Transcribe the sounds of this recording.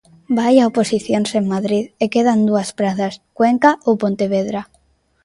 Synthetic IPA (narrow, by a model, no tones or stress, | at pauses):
bajaoposiθjonseŋmaðɾiðekeðand̪uaspɾaθaskweŋkaʔowpont̪eβeðɾa